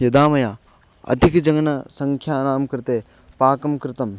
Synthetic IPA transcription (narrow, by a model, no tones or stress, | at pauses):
jɐd̪aːmɐjaː | ɐ̰d̪ʱikd͡ʒɐŋnɐsɐŋkʰjaːɾaːmkɐɾt̪eː | paːkɐmkɾɪt̪ɐm